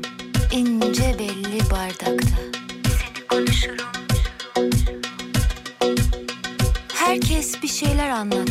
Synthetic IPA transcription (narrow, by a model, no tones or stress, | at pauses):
inːd͡ʒɛbɛlʲːibaɾd̪akt̪ʰa | ʃ | hæɾcʰɛsbiʃejlʲæɾanlˠat̪